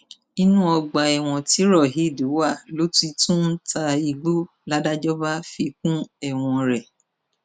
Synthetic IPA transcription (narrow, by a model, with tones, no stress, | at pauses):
i˦nũ˦ɔ˧ɡ͡ba˨ɛ˨w̃ɔ̃˧ti˨˦ɾɔ˦˨ɦi˨˦˨du˨˦wa˦˨lo˦ti˧tũ˦n̩˦ta˧i˧ɡ͡bo˦ | la˦da˦d͡ʒɔ˦ba˦fi˧k̚ũ˦ɛ˦˨w̃ɔ̃˧ɾɛ˨